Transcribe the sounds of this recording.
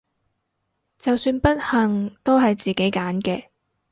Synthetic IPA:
t͡sɐ˨wsyː˧npɐ˥t̚hɐ˨ŋt̪o˥wɦɐ˨jt͡siː˨ke˨˥jkaː˨˥nkɛː˧

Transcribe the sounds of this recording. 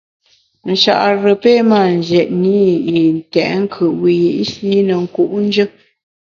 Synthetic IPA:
n̩˨ʃa̰˦˨ʔɾə˨pe˦˨ma˦˨n˨d͡ʒɛ˨ʔni˦i˨n˨tɛ˨ʔŋ̩˦kʰə˨ʔwi˨je˨ʔsi˦nə˨ŋ̩˨ku˦˨ʔn̩˦d͡ʒɨ˦

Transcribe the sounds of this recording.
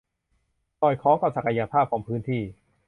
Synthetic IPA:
sɔː˨˩jkʰɔː˨˦˥ŋka˧˩wsa˨˩ka˧ja˧pʰaː˥˩p̚kʰɔː˩˦ŋpʰɯː˦˥nt̪ʰiː˥˩

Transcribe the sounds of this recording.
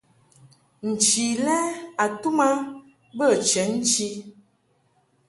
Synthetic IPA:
n̩˨t͡ʃi˨lɛ˦a˨tu˦ma˦ | bə˦˨t͡ʃɛ˨˦n̩˦t͡ʃi˦

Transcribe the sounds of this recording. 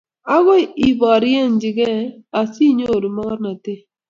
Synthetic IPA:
a˦ɡɔ˦˨i˨bɔ˨ɾi˦e˦˨n˨d͡ʒɪ˨ɡɛ˦a˨si˦ɲo˦˨ɾu˨mɔ˦kɔ˦ɾna˨te˦˨

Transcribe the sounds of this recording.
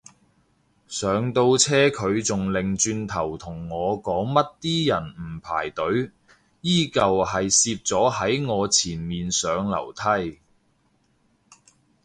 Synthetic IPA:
sœː˨˧ŋt̪o˧wt͡sʰɛː˥kʰɵ˨˧ɥt͡sʊ˨ŋlɪ˨ŋt͡ʃyː˧nt̪ʰɐ˨˩wt̪ʰʊ˨˩ŋːɔː˨˧kɔː˨˥ŋmɐ˥t̚t̪iː˥jɐ˨˩nm̩˨˩pʰa̰ː˨˩jt̪ɵ˨˥ɥ | jiː˥˩kɐ˨whɐ˨jsiː˧p̚t͡sɔː˨˥hɐ˨˥jŋɔː˨˧t͡sʰiː˨˩nmiː˨nsœː˨˧ŋlɐ̰˨˩wt̪ʰɐ˥j

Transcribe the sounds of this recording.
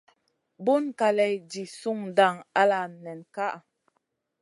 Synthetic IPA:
bu˦nka˨lɛ˨jd͡ʒi˨su˦ŋda˦˨ŋa˦la˨nɛ˨nka˦ʔa˨

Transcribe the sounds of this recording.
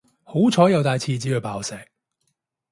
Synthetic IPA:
ho˨˥wt͡sʰɔː˨˥jɐ˨˧wt̪aː˨jt͡sʰiː˧t͡siː˨˥ɵ˨˧ɥpaː˨wsɛː˨˩k̚

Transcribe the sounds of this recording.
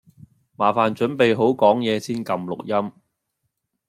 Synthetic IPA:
maː˨˩faː˨nt͡ʃɵ˨˥npe˨jɦo˨˥wkɔː˨˥ŋjɛː˨˧siː˥nkɐ˨mlʊ˨k̚jɐ˥m

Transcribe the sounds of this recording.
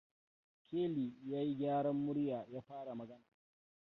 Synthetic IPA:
kʲeː˦liː˨jaː˦ji˦ɡʲaː˦ɽɐ˦mːʊ˦ɽjaː˨jaː˦ɸaː˦ɽa˨mɐ˨ɡɐ˦naː˨

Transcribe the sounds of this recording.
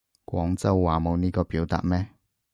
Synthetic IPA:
kwʷɔː˨˥ŋt͡sɐ˥wːaː˨˩mo˨˧wniː˥kɔː˧piː˨˥wt̪a̰ː˨t̚mɛː˥

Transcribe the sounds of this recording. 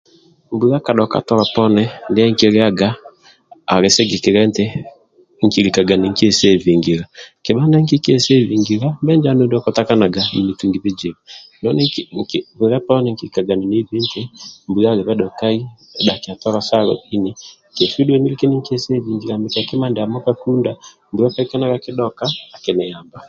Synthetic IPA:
mbu˦a˦ka˨ɗɔ˨ka̰˨tɔ˦ɾɔ˨pɔ˦nɛ˦nde˦ɛ˦ŋ˦ke˦ɾe˦a˦ɡaː˦˨ | ɾe˨se˦ɡe˨ke˨ɾɛ˦ntɛ˦ | ŋ̩˨ki˨ɾi˨ka˨ɡa˨ni˨ŋ˦kɛ˦sɛ˦vi˨ŋɡi˨ɾa˨ke˨ɓa˦na˦ŋki˦kɛ˦˨se˦vi˨ŋɡi˨ɾa˦mbɛ˦nd͡ʒa˦no˦dɔ˦kɔ˦ta˦ka˦na˨ɡa˨ḭ˨ni˨tu˨ŋɡi˨βi˦d͡ʒi˨ɾanɔ˦nɛ˦ŋkβu˨ɾa˦pa˦ɔ˦nɛŋki˨ɾika˨ɡa˨ni˨ne˦βe˦ntʰɛ˦mbu˨ja˦ɣe˨βɛ˦ɗɔ˨ka˦i˦ | ɛ˨ɗa˨ke˨a˨tɔ˦ɾa˦sa˦ɾɔ̰˨ʔi˦ni | kɛ˨ʃu˦dwɛ˦ni˦li˦ke˦ni˦ŋki˦ɛ˦sɛ˦βi˨ŋɡiɾa˨mbe˨ka˨ke˦ma˦ndɛ˨a˨mɔ˦ka˦ku˦nda | mbu˨ɾa˦pa˦i˦kɛ˦na˦ɣakɪ˦ɗɔ˦kaː˦˨ke˨nɛ˨ja˨mba˨

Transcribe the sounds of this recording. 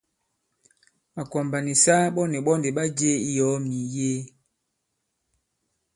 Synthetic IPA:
ma˨kɔ˨mba˨ni˨sa˦ɓɔ˦ni˨ɓɔ˦nde˨ɓa˦d͡ʒe˦i˦jɔ˨˦mi˨je˦

